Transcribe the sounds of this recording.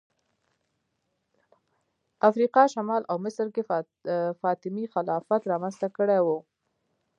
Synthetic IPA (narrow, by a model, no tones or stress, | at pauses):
afɾiqɑʃamɑlʔawmɪsɾke | fɑt̪ɪmixalɑfat̪ɾɑmanzt̪akəɽewu